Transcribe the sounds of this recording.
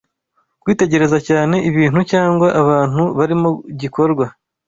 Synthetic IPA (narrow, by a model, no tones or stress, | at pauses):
kwiːte̞ɟe̞ɾe̞zacaːne̞ʔiβiːn̥hucaːŋɡwaʔaβaːn̥huβaɾimoɟiko̞ɾɡwa